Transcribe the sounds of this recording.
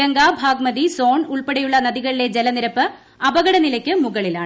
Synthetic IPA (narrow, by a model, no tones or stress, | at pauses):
ɐŋɡaːbʱaːɡmɐðiso̞ːɳuɭpɐɽɐjuɭːɐnɐðiɣɐɭile̞d͡ʑelɐniɾɐpːɨ | ɐbɐɣɐɽɐnilɐkʲːɨmuɣɐɭila̰ːɳɨ